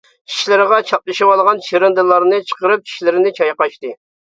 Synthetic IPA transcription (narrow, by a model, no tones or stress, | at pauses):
t͡ʃʰi̥ʃlɪɾʁɑt͡ʃʰɑp̚lˠɨʃɨwɑlˠʁɑnʃeɾɨnd̪ɨlˠɑɾnɨt͡ʃʰə̥qəɾɨp̚t͡ʃʰi̥ʃlɪɾɪnɪt͡ʃʰɑjqɑʃt̪ɨ